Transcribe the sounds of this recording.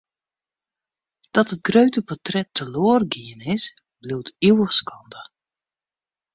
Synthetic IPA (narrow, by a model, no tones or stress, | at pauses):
d̥ɑtɦət̚ɡrøɥtəpɔtrɛtəloːrɡiənɪs | bliwtiwəχskɑndə